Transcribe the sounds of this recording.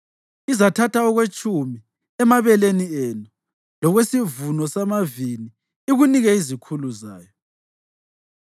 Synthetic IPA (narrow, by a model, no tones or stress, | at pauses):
izatʰatʰaɔɣwet͡ʃʼumi | ɛmaβɛlenienu | lɔɣwesivunɔsamaviniː | ɣuniɣɛizikʰuluza̰ːjɔ